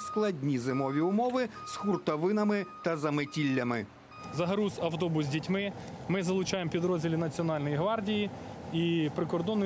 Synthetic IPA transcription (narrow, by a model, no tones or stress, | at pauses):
sklˠɐdʲnʲizɪmɔʋʲiʊmɔʋɪsxurt̪ɐʋɪnɐmɪt̪ɐzɐmetʲilʲːɐmɪ | zɐɦɐɾusɐwt̪ɔbʊzʲdʲitʲmɪ | mɪzɐlˠʊt͡ʃɑjempʲid̪ɾɔzʲdʲilʲinɐt͡sʲiɔnɑlʲnɔjiɦʋɑrdʲijiipɾɪkɔrd̪ɔnːʊ